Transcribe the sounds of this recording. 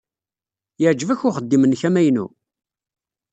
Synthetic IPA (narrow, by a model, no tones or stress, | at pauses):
jəʕd͡ʒːvæçʊχəd̪ːimənçæmæjnṵ